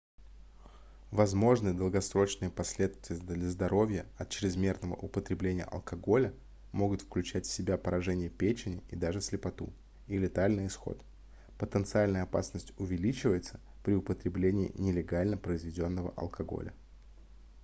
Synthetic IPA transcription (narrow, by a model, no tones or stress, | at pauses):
vɐzmo̞ʐnɨjəd̪əlˠɡɐsɾo̞t͡ɕnɨjəpɐsʲlʲe̞t̪st̪vʲɪjəd̪lʲəzd̪ɐɾo̞vʲjəɐt̪̚t͡ɕɾʲɪzmʲe̞rnəvə̰ʔʊpət̪ɾʲɪblʲenʲɪjə̰ʔɐ̰lˠkʰɐɡo̞lʲə | mo̞ɡʊt̪fklʲʉt͡ɕætʲfsʲɪbʲapəɾɐʐɛnʲɪjəpʲet͡ɕɪnʲɪid̪aʐɨsʲlʲɪpɐt̪ṵ | ilʲɪt̪alʲnɨjɪsxo̞̰t̪ | pət̪ənt̪sɨalʲnəjəɐpa̰snəsʲtʲʊvʲɪlʲit͡ɕɪvəjɪt̪sə̥ | pɾʲɪʊpət̪ɾʲɪblʲenʲɪ̰ːnʲɪlʲɪɡalʲnəpɾəɪzvʲɪdʲo̞nːəvə̰ʔɐ̰lˠkɐɡo̞̰lʲə̰